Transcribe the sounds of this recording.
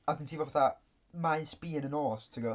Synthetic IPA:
aθɪ̃ntʰiːvɔvaθa | majnspiːənənɔːstʰəɡo

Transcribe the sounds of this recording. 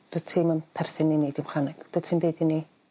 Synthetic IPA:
d̥ʊtʰiːmanpʰɛrθɪnːinejdɪmχanɪɡ̥d̥ʊ̥tʰimbeːdini

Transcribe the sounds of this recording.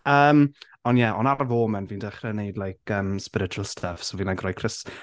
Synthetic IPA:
əːm | ɔnjɛʔɔnaɾvoːmɛnviːndɛχrɛnejdlajkʰəːmspɪɾɪt͡ʃuəlˠstʰafsoviːnlaɡrɔjkʰrɪs

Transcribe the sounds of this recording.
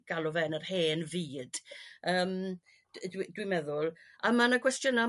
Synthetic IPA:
ɡ̥alˠʊvɛnərheːnviːd̥əːm | dwidwimɛðʊlˠ | amanakʰwɛstjʊna

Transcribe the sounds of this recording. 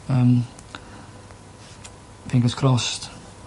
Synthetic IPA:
əm | aθɪ̃ŋkəskʰɹ̥ɔst

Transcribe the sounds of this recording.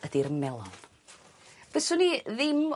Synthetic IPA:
ədirmɛlˠɔn | b̥ɛsʊniðɪm

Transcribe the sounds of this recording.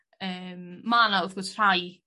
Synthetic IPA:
əːmmaːnaʊðɡɔsr̥aj

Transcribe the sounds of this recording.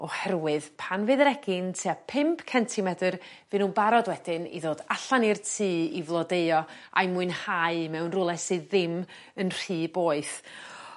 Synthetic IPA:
ɔhɛrwɨðpʰanvɨðɾɛɡɪntʰeapʰɪmpʰkʰɛntʰimɛdɨr | vɨnuːbaɾɔdwɛd̥ɪnḭðoːdaɬanirtʰiːivlˠɔdeɨɔa̰jmuɨnhaɨmɛwnrʊlˠɛsɨðɪm | ənr̥iːboːɨθ

